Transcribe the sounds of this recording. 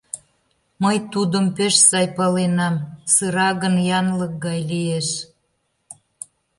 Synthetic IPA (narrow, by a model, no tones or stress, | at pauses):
məjt̪ud̪əmpeʃsɑjpɑlenɑmsɯɾɑɣənjɑnlək̚ɡɑjlieʃ